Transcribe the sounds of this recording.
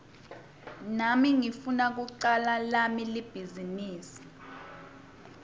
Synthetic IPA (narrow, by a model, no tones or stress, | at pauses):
namiŋifunak̬uǀalalamilib̥ʱiziniːsi̥